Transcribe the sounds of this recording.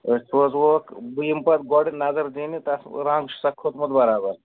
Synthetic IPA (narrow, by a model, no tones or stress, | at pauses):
soːzʋokbujimpɐt̪̚ɡoːɽinɐzɐɾd̪iːnit̪ɐsɾãːŋɡʃsɐkʰːot̪mud̪bɐɾaːbɐɾ